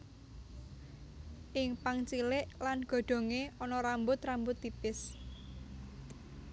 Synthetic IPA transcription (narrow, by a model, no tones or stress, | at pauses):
ʔɪŋpaŋt͡ʃilɪʔlanɡ̥ɔ̤ɖ̪̥o̤ŋeɔnɔɾambʊt̪rambʊt̪ːipɪs